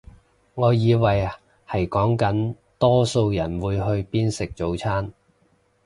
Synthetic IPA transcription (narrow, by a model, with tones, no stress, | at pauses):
ŋɔː˨˧jiː˨˧wɐ˨j | hɐ˨˩jkɔː˨˥ŋkɐ˨˥n | t̪ɔː˥so˧wjɐ˨˩nwuː˨˧jɦɵ˧ɥpiː˥nsɪ˨k̚t͡so˨˧wt͡sʰaː˥n